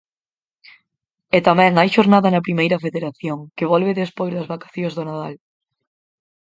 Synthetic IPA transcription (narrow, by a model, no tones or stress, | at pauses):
et̪amɛ̃ŋajʃoɾnaðɐnɐpɾimejɾɐfeðeɾaθjoŋkɪβ̞ɔlβɪðespojzðɐzβakḁθjozðʊnaðal